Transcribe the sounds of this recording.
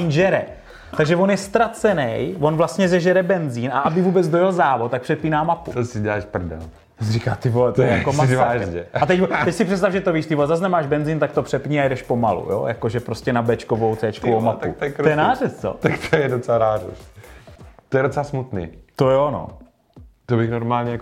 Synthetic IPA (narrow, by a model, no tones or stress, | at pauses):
ɲʒɛɾɛ̰ | t̪aɡʒɛvo̞njɛst̪ɾat͡sɛnɛjvo̞nvlast̪ɲɛzɛʒɛɾɛbɛnziːnʔaʔabɪvuːbɛd͡zdojɛlzaːvot̪̚t̪ːakpr̥ɛpiːnaːmapṵt̪osɪɟɛlaːʃpr̩dɛ̰l | osɾikaːt̪ɪvoɛt̪ojɛjakomazaːʒɛat̪ɛct̪ɛcsɪpr̥ɛt̪st̪avʒɛt̪oviːʃt̪ɪvozaznɛmaːʒbɛnzint̪ak̚t̪opr̥ɛpɲiːajɛdɛʃpo̞malṵjo̰ja̰koʒɛpɾo̞scɛnabɛt͡ʃkovo̞wt͡sɛːt͡ʃkovowmap̪ṵtojɛnaːrɛst͡so̰t̪akt̪ʰojɛdot͡sɛlaɾaːɾṵs | t̪ojɛdot͡sɛlasmut̪nḭːt̪ojɛono̰ | t̪obɪxnoɾmaːlɲɛja